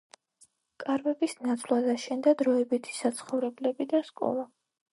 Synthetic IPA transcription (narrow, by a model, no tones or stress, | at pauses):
kʼaɾvɛbisnat̪sʰlˠad̪aʃɛnd̪ad̪ɾɔɛbit̪ʰi̥sat̪sʰχɔvɾɛblɛbid̪askʼɔ̰lˠa